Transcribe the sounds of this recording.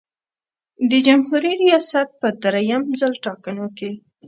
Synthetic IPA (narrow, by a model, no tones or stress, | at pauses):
d̪əd͡ʒamhuɾiɾijɑsat̪̚pəd̪ɾajamzəlʈɑkənoke